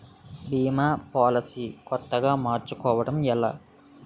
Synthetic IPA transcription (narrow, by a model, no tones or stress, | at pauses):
biːmaːpaːlɐsiːkɔt̪ːɐɡaːmaːɾt͡ʃukɔːʋɐɽɐmɛlaː